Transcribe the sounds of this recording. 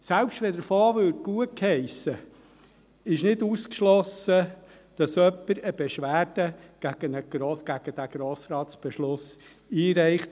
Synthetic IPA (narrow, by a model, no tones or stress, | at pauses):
sælpʃtʋɛdəɾfoːʋøːɾɡ̥uət̚khɛɪsə | ɪʃnɪduskʃlɔsə | d̥ɑsœpːəɾəb̥ɛʃʋæːrd̥əɡ̥æɡ̥ənəɡ̥ɾoɡ̥æɡ̥əd̥æɡ̥ɾoːsɾɑːtsb̥ɛʃlʊs | iːɾɛɪχt